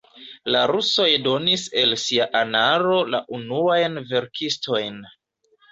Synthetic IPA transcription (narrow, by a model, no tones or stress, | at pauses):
laɾuso̞jdo̞nise̞lsiaʔanaɾo̞la̰ʔunuajnve̞ɾkʰisto̞jn